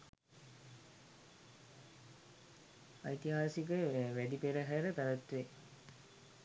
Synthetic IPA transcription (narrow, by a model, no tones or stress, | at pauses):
ajt̪iɦaːsikəʋæd̪ipeɾəɦæɾəpæʋæt̪ʋe